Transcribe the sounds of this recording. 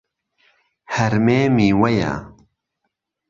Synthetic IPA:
hɐɾmeːmiːwɐja̰

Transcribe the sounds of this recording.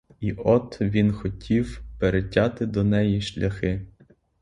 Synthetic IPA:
iʔɔt̪ʋʲinxɔtʲʰiwpeɾetʲɑt̪ɪd̪ɔnɛjiʃlʲʔɐxɪ

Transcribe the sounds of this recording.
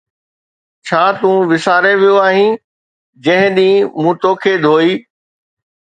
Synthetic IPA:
t͡ɕʰaːt̪ũːʋɪsaːɾeʋijoaːɦĩː | d͡ʑɐ̃ɦɪ̃ɗĩːmũːt̪oːkʰed̪ʱoːiː

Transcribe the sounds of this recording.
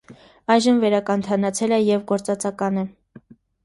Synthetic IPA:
ɑjʒəmvɛɾɑkɑnt̪ʰɑnɑt͡sʰɛlɛjɛvɡɔɾt͡sɑt͡sɑkɑnə

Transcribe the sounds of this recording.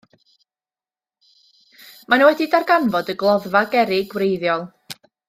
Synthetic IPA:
manuwɛdidarɡanvɔdəɡlˠɔðvaɡɛɾɪɡwrejðjɔlˠ

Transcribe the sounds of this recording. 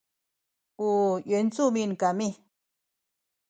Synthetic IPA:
ujont͡sumĩnkamĩ

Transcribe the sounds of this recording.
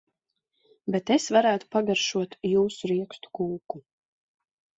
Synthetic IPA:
bet̪esvaɾaːt̪u̥paɡaɾʃuɔt̪juːsuɾiɛkst̪u̥kuːku

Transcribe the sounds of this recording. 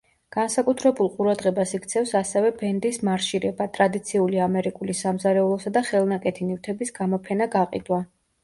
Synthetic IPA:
ɡ̥ansakʼut̪ʰɾɛbulˠqʼuɾad̪ʁɛbasikʰt̪sʰɛfsasɛvɛbɛnd̪ismaɾʃiɾɛbat̪ʼɾad̪it̪sʰiuliamɛɾikʼulisamzaɾɛulˠɔsad̪aχɛlˠnakʼɛt̪ʰinift̪ʰɛbisɡ̥amɔpʰɛnaɡaqʼḭd̪wa

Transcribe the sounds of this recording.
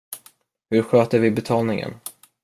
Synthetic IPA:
hɵɾɧøːt̪əɾvɪbɛt̪ʰɑːlnɪŋə̰n

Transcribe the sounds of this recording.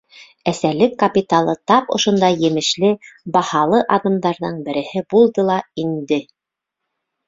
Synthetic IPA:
æsælɘkːɐpʲit̪alˠɤt̪ɑpŏʃŏnd̪ɑjjɘ̆mɘ̆ʃlɘbɑhɑlˠɤʔɑðɤ̆md̪ɑɾðɤɴbɘ̆ɾɘ̆hɘbulˠd̪ɤlˠɑind̪ɘ

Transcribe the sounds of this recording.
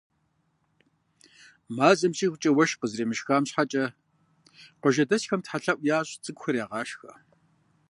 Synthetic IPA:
maːzʼɐmɕʼiːxʷʊt͡ʃʼɐwɐʃqəzreːmɨʃxaːmɕħat͡ʃʼɐ | qʷəʒɐdɐsxɐmtħaɬɐʔʷʼjaːɕʼt͡sʼɨɡʷxɐrjaːʁɑːʃxɐ̰

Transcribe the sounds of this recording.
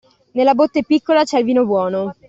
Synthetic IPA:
nelːabot̪ːepikːolat͡ʃɛilviːnobwɔːno

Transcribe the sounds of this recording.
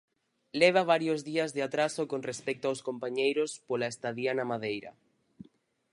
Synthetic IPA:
lɛβ̞aβ̞aɾjozðiazðeat̪ɾasokonrespɛk̚t̪oawskompaɲejɾospolaest̪aðjanamaðejɾɐ̰

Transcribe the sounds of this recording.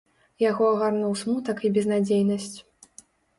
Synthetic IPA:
jaɣɔɐɣarnuwsmut̪ɐkibʲɛznad͡zʲejnɐsʲt͡sʲ

